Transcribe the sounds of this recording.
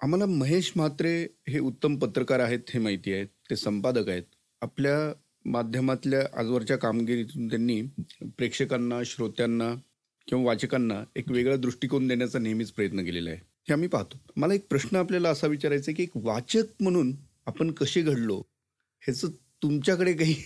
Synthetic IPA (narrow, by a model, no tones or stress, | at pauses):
am̤alaməɦeɕmat̪ɾeɦeut̪ːəmpət̪ɾəkaɾaɦet̪hemaɦit̪iːaɦet̪ːesəmpad̪əkaɦet̪̚ | aplja | mad̪ʱjəmat̪ljaʔa̰d͡zʋəɾt͡ɕjakamɡiɾit̪unt̪janːiːpɾekʂəkanːaɕɾot̪janːa | kĩw̃ʋaʋat͡ɕəkanːaekʋeɡɭjad̪ɾuʂʈikond̪eɳjat͡sanemiːt͡spɾəjət̪nəkelela̰ɦe | heamiːpaɦt̪o̥məlaek̚pɾəɕnəapljalaəsaʋit͡ɕaɾajt͡səek̬iekʋat͡ɕək̚m̤əɽ̃uːn | apəɳkəɕeɡʱəɽlo | het͡səːt̪umt͡ɕjakəɽekaɦiː